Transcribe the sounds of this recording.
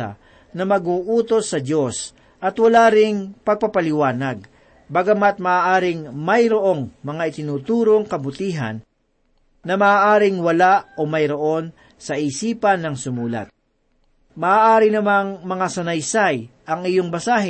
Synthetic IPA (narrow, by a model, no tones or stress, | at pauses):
ɐ̰ | nɐmɐɡuːʔuːt̪o̞sːɐd̪o̞s | ʔɐt̪wɐlaːɾɪŋpɐɡ̚pɐpɐlɪwaːnɐɡ̚ | bɐɡɐmat̪̚mɐʔaːʔaːɾɪŋmɐjɾoʔo̞ŋmɐŋaʔɪt̪ɪnuːt̪uːɾo̞ŋkɐbʊt̪iːɦɐ̰nː | ɐmɐaːʔaːɾɪŋwɐlaʔomɐjɾo̞ʔo̞n | sɐʔiːsiːpɐnːɐŋsʊmuːlɐ̰t̪̚ | mɐʔaːʔaːɾɪnɐmaŋmɐŋasɐnɐjsajʔɐŋɪjo̞ŋbɐsaːɦɛ